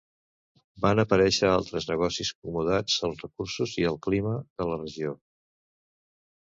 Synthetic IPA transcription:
banəpəɾɛʃəalˠt̪ɾəznəɣ̞ɔsisk̚umuðad͡zəlˠzrəkursuziəlˠkliməðələrəʒio

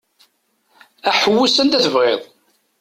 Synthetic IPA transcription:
æħəwːusənt̪æθəvʁeðˤ

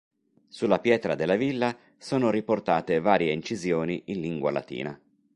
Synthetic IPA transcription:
sulːapjɛːt̪ɾad̪elːavilːa | soːnoɾiport̪aːt̪evaːɾjeint͡ʃizjoːniʔinliŋɡwa̰la̰t̪ḭːna

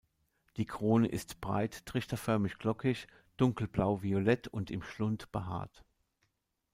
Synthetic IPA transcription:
d̥iːkʁ̥oːnəʔɪstb̥ʁa̰ɪttʁ̥ɪçtɐfœɐmɪçɡ̥lɔkʰɪç | d̥ʊŋkl̩blaʊviolɛtʰʊntɪmʃlʊntb̥əɦa̰ːɐt

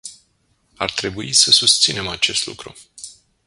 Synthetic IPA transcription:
art̪ɾe̞buisəsust̪sine̞mat͡ʃe̞st̪lṵkɾṵ

